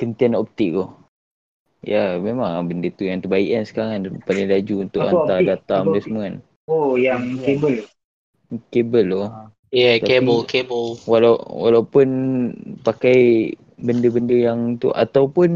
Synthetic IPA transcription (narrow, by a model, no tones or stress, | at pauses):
kənt̪ianɔp̚t̪ɪʔɡɔh | jamemaŋbəndət̪ujaŋt̪əbaḭʔansə̥kaɾaŋanpalɪŋlad͡ʒuunt̪ʊʔʔaadat̪amdəsmuŋan̚ | ojaŋkebəl | kebəlːɔ | jaebəlkebəlwalawalawpʊnpakaj | bəndəbəndəjaŋt̪ṵʔa̰t̪awpʊn